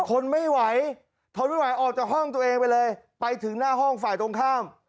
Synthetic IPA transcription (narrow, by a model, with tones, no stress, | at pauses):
kʰo˧nma˥˩jwa˩˦j | k̪ʰo˧nma˥˩jwa˨˦jʔɔː˨˩k̚t͡ɕaː˨˩khɔ˥˩ŋt̪u˧ɐ˧ʔeː˧ŋpa˧jlɤː˧j | pa˧jt̪ʰɯ˩˦ŋnaː˥˩ɦɔ˥˩ŋfaː˨˩jt̪o˧ŋkʰaː˥˩m